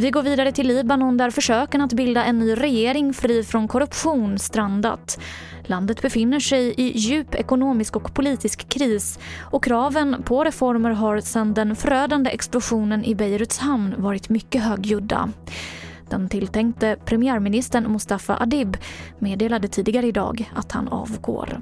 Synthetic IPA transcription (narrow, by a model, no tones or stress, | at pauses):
vɪɡoːɾviːd̪aɾət̪ʰɪlːiːbanɔnd̪æɾfœʂøːkənat̪bɪld̪aʔɛnːyːɾɛjeːɾɪŋfɾiːfɾɔnkʰɔɾɵpɧuːnst̪ɾand̪a̰t̪ | land̪ət̪bɛfɪnːəʂɛjɪjʉ̟ːpɛ̰kʊnoːmɪskɔkpʰʊliːt̪ɪskʰːɾiːsɔkʰɾɑːvənpʰɔɾɛfɔɾməɾɦaɾsɛnd̪ɛnfœɾøːd̪and̪əʔɛksplʊɧuːnənʔɪbɛjɾɵt̪shamnvɑːɾɪt̪mʏkːəɦøːɡjɵd̪ːa̰ | d̪̥ɛnt̪ʰɪlt̪ʰɛŋkt̪əpʰɾɛmɪæːɾmɪnɪst̪əɳmʊst̪afa̰ʔad̪ɪbmeːd̪eːlad̪ət̪ʰiːd̪ɪɡaɾəɪd̪ɑ̰ːɡat̪ha̰nɑ̰ːvɡo̰ːɾ